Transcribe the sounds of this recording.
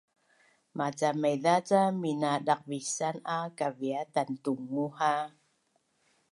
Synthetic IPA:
mat͡samajðat͡saminadak̚visanakaviatantuŋːuha

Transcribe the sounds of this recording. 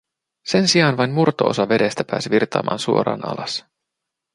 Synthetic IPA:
se̞nsiɑːnʋɑjnmurt̪oʔo̰sɑʋe̞de̞st̪æpæːsiʋirt̪ɑ̰ːmʔɑ̰ːnsuoɾɑ̰ːnɑ̰lɑs

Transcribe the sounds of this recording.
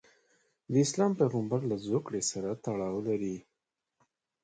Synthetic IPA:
d̪əɪslɑmpejɣəmbaɾlazokɽesaɾat̪aɽɑwlaɾi

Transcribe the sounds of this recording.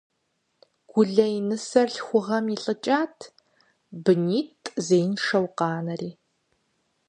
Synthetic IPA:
ɡ̥ʷʊɮɐinɨsɐrɬxʷʊʁɐmiɬʼɨt͡ʃʼaːtʰ | bɨniːtʼzejnʂɐwqɑːnɐriː

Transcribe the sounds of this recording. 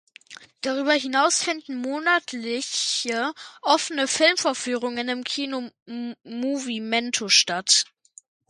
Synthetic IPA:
d̥aʁyːbɐɦɪnaʊsfɪndn̩moːnatʰlɪçəʔɔfənəfɪlmfɔɐfyːʁʊŋɪnɪmkʰiːno | muvimɛntʰoʃtat

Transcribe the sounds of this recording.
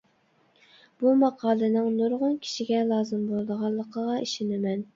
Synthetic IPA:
b̥umɑqʰɑːlˠɨnɨŋnoɾʁʊnkʲʰi̥ʃiɡʲɛlˠɑːzɨmbolˠɨd̪əʁɑnlˠːəqʰəʁɑiʃɪnɪmɛn

